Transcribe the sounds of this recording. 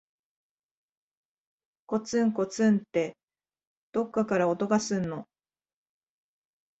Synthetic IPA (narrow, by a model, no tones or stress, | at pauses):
ko̞t͡sɨ̃ŋko̞t͡sɨ̃nt̪ːe̞ | d̪̥o̞kːakaɾao̞t̪o̞ɡasɨnːo̞